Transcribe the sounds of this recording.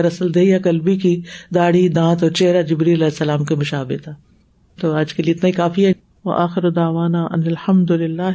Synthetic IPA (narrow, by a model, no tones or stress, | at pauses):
ɾɐsəld̪eːakɐlbikid̪aːɽid̪ãːt̪ɔːɾt͡ʃeɦɾad͡ʒɪbɾiːlɐlɛːsːɐlaːmkemʊʃaːbɪt̪ʰaː | t̪oːaːd͡ʒkeliɪt̪naikaːfiɛ | ʋɐ̰ʔaːxɪɾod̪aːʋaːnaʔɐ̰nɪlhɐmd̪ʊlɪlːaːɦ